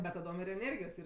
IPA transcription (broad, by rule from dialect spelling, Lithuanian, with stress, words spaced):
bʲɛt tɐˈdoːm ɪr ɛˈnʲeːrʲɡʲɪjoːs ˈiːr